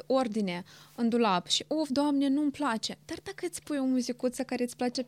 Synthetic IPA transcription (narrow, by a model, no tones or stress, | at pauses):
o̞rd̪ine̞ɨnd̪ulapʃiʔofd̪oamnenumplat͡ʃe̞d̪ard̪akəɨt̪sʲpujomuzikut̪səkaɾeɨsʲplat͡ʃe̞